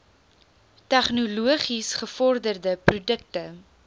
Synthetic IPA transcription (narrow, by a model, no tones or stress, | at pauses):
tɛχnuluəχisχəfɔrdərdəprudək̚tə